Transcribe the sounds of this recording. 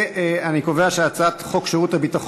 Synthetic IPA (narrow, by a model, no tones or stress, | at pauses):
eaniko̞veaʃeat͡satχo̞kʃeʁutabitaχ